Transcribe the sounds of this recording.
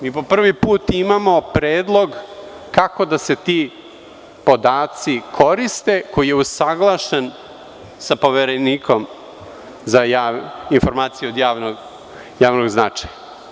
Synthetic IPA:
miːpo̞pr̩ʋipuːt̪imamo̞pɾeːd̪lˠo̞ɡ | kako̞d̪ase̞t̪i | po̞d̪aːt̪sikʰo̞ɾist̪e̞ko̞jijeusaɡlˠaʃen | sapo̞ʋeɾeniːkʰo̞m | zajainfo̞ɾmaːt̪sijeod̪jaːʋnoɡ | jaːʋnoɡznat͡ʂḁja

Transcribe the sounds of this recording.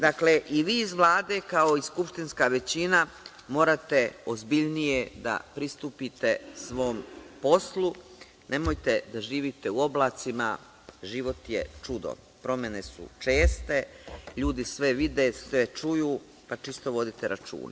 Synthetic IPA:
d̪akle̞ʔiʋiːizʋlˠaːd̪e̞ːkao̞iskupʃt̪inskaʋe̞t͡ɕina | mo̞ːɾat̪e̞ozbiʎnije̞d̪a̰pɾist̪uːpit̪e̞sʋo̞ːmpo̞slˠu | ne̞mojt̪e̞d̪aʒiːʋit̪e̞uo̞blˠaːt̪sima | ʒiːʋo̞t̪jḛt͡ʃud̪o̰ | pɾo̞me̞ne̞sṵt͡ʃe̞ːst̪e̞ʎuːd̪isʋe̞ʋid̪eset͡ʃujuː | pat͡ʃist̪o̞ʋo̞d̪it̪eɾʔa̰t͡ʃṵːnḛ

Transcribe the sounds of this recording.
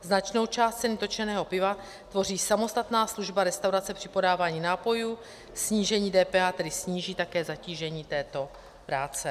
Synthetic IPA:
znat͡ʃno̞wt͡ʃaːst̪t͡sɛnɪt̪o̞t͡ʃɛnɛːɦo̞pɪva | t̪vo̞r̝iːsamo̞st̪at̪naːsluʒbaɾɛst̪awɾat͡sɛpr̥ɪpo̞daːvaːɲiːnaːpo̞juː | sɲiːʒɛɲiːdɛːpɛːaːt̪ɛdɪsɲiːʒiːt̪akɛːzaciːʒɛɲiːt̪ɛːt̪o̞ | pɾaːt͡sɛ

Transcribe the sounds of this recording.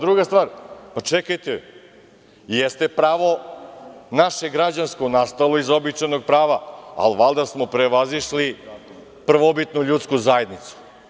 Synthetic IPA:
d̪ɾuɡast̪vʋaːɾmat͡ʃekajt̪e | jest̪e̞pɾaːʋo̞ | naʃe̞ɡɾad͡ʑansko̞nast̪alˠo̞izo̞bit͡ʂajno̞ɡ̚pɾaːʋaa̰lʋalˠd̪asmo̞pɾe̞ʋaziʃli | pr̩ʋo̞bit̪nuʎut̪skuzaje̞d̪nit̪su̥

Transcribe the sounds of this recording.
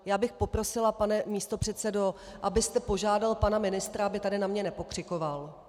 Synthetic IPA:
jaːbɪxpo̞pɾo̞sɪlapanɛmiːst̪o̞pr̝̥ɛt̪sɛdo̞ʔabɪst̪ɛpo̞ʒaːdalpanamɪnɪst̪ɾaabɪt̪adɪnamɲɛnɛpo̞kr̝̥ɪko̞val

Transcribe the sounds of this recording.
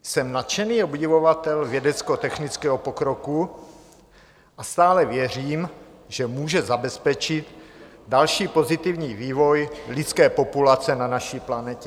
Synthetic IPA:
sɛmnat̪t͡ʃɛniːobɟɪvovat̪ɛlvjɛdɛt͡skɛɦot̪ɛxnɪt͡skɛːɦopokɾoku | ʔast̪aːlɛvjɛriːm | ʒɛmuːʒɛzabɛspɛt͡ʃɪt̪dalʃiːpo̞zɪt̪ɪvɲiːviːvojlɪt͡skɛːpo̞pulat͡sɛnanaʃiːplanɛcɛ

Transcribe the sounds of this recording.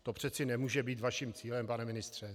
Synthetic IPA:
t̪opr̝̥ɛt̪t͡sɪnɛmuːʒɛbiːt̪vaʃimt͡siːlɛmpanɛmɪnɪst̪r̝̥ɛ

